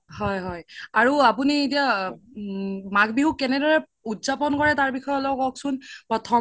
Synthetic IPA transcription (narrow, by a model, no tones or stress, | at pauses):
hɔjɦɔjaɹuapunietia | makbiɦukːɛnɛdɔɹɛ | utzapɔnkɔɹɛtaɹbixɔjɔlɔkɔksʊnpɹɔtʰɔ